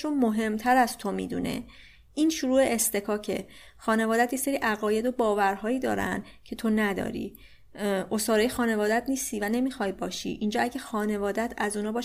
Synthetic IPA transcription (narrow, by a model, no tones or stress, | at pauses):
omoɦe̞mt̪ʰæɾæzt̪ʰomḭːd̪ṵːne̞̰ | inʃuɾuːeʔest̪e̞kʰɒːcʰe̞̰ | xɒːne̞vɒːd̪æt̪ʰje̞se̞ɾiːʔæɣɒːje̞d̪obɒːvæɾɦɒːjiːd̪ɒ̰ːɾæ̰nd̪ | cʰe̞t̪ʰo̞næd̪ɒ̰ːɾḭː | ʔosɒːɾɒːjexɒːne̞vɒːd̪æt̪niːst̪iːvæne̞miːxɒjbɒːʃḭːʔiːnd͡ʒɒːæɟæxɒːne̞vɒːd̪æt̪ʰæzuːnɒːbɒː